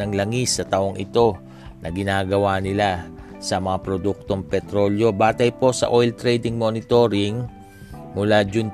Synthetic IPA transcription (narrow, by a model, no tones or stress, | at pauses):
ɐŋlɐŋisːɐt̪ɐʔoŋʔɪ̰t̪o̞ | nɐɡɪnaːɡɐwanɪla | sɐmɐŋapɾod̪uk̚t̪o̞ŋpɛt̪ɾo̞ljo̞baːt̪ɐjpo̞sɐ̰ʔo̞jlt̪ɾɛjd̪ɪŋmo̞nɪt̪o̞ɾɪŋ | mʊlad͡ʒʊn